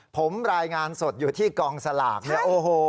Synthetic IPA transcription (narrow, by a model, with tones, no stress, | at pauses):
pʰo˩˦mɾaː˧jŋaː˧nso˨˩t̪̚juː˨˩t̪ʰiː˥˩kɔː˧ŋsa˧la̰ː˨˩k̚nɯ˦˥˩ɐʔoː˧ɦoː˧